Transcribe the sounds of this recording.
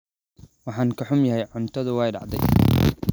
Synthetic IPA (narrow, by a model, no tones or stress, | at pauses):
wɑħɑːŋkʰɐħʊmjɐɦɛjʕʊnt̪ʰɐðʊwɛːjɖɑ̰ʕd̪ɛ̰j